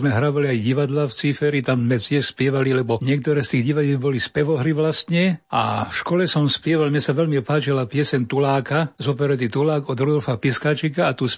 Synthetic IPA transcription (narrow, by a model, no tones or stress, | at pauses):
zmɛɦɾaːʋaliajɟiʋad̪laft͡sifɛɾit̪amzmɛt̪ɪɛʃspɪɛʋalilɛbɔɲɪɛk̚t̪ɔɾɛːst̪iːɣɟiʋaɟɛlbɔlispɛʋɔɦɾiʋlast̪ɲɛa̰fʃkɔlɛsɔmspɪɛʋalmɲɛsaʋɛlmiɔpaːt͡ʃilapɪɛsɛɲt̪ulaːkazɔpɛɾɛt̪it̪ulaːɡɔd̪ɾɔd̪ɔlfapiskaːt͡ʃikaat̪us